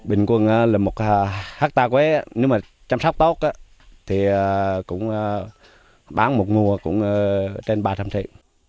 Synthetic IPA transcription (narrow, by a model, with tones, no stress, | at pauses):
ɓï˨˩ŋ̟kwə˨˩ŋʔaː˧˦laː˨˩mo˨˩t̚ːhaː˦˥k̚t̪aː˧kwɛ˨˦ʔa˨˧˦ne˨˦wmaː˨˩ | t͡ɕa˧msa˦˥wk͡p̚t̪o˦˥t̚ʔaː˧˦ | t̪ʰi˨˩aː˨˩kʊ̰˧˥ŋ͡məː˧ | ɓaː˨˦nmo˨˩t̚ŋu˨˩əkʊ̰˧˥ŋ͡məː˧t͡ɕe˧nɓaː˨˩t͡ɕa˧mt̪ʰḭ˧˨